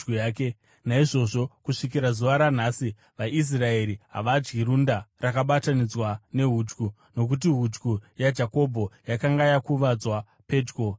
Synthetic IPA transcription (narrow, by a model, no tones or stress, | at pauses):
uaːke | naiʐo̞ʐo̞kuʂikiɾazuʋaɾan̤asi | ʋaʔis̬rae̞ɾiɦa̰ʋad͡ʒɡiɾundarakaɓatanid͡zwane̞ɦuːd͡ʒɡu | no̞k̬ut̬iɦud͡ʒɡujad͡ʒako̞bʱo̞jakaŋɡajakuʋad͡zwa | pe̞ːd͡ʒɡo